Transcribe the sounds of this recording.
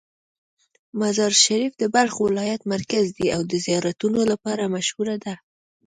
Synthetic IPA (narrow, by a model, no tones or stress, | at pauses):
mazɑɾʃaɾifd̪əbaɾxowɪlɑjat̪maɾkazd̪iawd̪əzijɑɾat̪unolapɑɾamaʃhuɾad̪a